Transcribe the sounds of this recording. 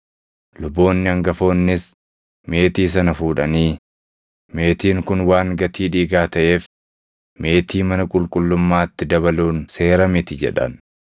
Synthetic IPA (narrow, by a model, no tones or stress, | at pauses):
lʊbo̞ːnːɪɐŋɡɐfo̞ːnːɪs | me̞ːt̪iːs̬ɐnɐfuːᶑɐniː | me̞ːt̪iːŋkʊnwaːŋɡɐt̪iːᶑiːɡaːt̪ɐʔe̞ːf | me̞ːt̪ʰiːmɐnɐkʼʊlkʼʊlːʊmːaːt̪ːɪd̪ɐβɐluːnse̞ːɾɐmɪt̪ɪd͡ʒɛ̰ᶑɐ̰n